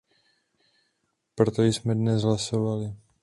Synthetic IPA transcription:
pɾot̪ojsmɛdnɛzɦlaso̞valɪ

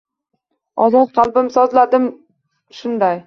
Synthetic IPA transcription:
ɒzɒt̪̚qʰɑlˠbɪmsɒzlad̪ɪm | ʃʊnd̪aj

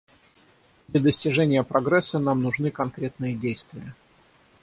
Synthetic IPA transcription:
d̪lʲɐd̪əsʲtʲɪʐɛnʲɪjəpɾɐɡɾɛsːənamnʊʐnɨkɐnkɾʲet̪nɨjədʲejst̪vʲɪjə

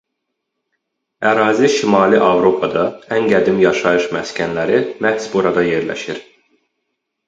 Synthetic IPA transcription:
æɾɑːziʃimɑːliʔɑvɾo̞pʰɑd̪ɑænɡæd̪imjɑʃɑjɯʃmæscʰænlæɾimæhsbuɾɑd̪ɑje̞ɾlæ̰ʃiɾ

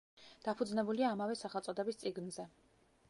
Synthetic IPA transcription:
d̪̥apʰud̪znɛbuliaːmavɛsaχɛlˠt̪sʼɔd̪ɛbist̪sʼiɡnzɛ

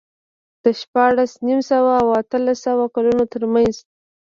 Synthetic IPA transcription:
d̪̥əʃpɑɽasnimsawaːwat̪əlasːawakalunot̪əɾmanz

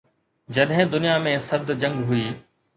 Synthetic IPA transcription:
d͡ʑɐɗɦɪ̃d̪ʊnijamẽsɐɾd̪d͡ʑɐ̃ŋɡɦʊiː

